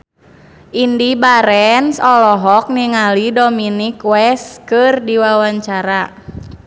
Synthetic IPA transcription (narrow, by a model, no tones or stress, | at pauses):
ʔindibaɾɛnsɔlɔɦɔk̚niŋalidominikwɛskɨrdiwawaɲt͡ʃaɾa